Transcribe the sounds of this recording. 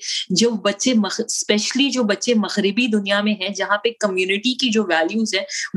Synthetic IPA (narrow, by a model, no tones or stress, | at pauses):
d͡ʒobɐtːʃemɐspɛʃlid͡ʒoːbɐtːʃemɐɣɾɪbid̪ʊnijamẽɦɛ̃d͡ʒɐɦãpekɐmjuːnɪʈikid͡ʒoːʋɛːljuːzɦɛ̃ː